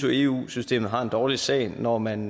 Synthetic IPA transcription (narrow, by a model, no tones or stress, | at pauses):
soe̝ːṵːsysd̥e̝̰ːmð̩ˠɦɑ̈e̝nd̥ɒːlisɛ̰ɪnɒmæn